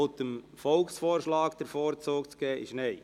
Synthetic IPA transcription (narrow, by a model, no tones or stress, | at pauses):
ot̪əm | fɔlksfɔːɾʃlɑːkd̥əɾfɔːɾt͡soːkt͡sɡ̥ɛːʔɪ̰ʃneɪ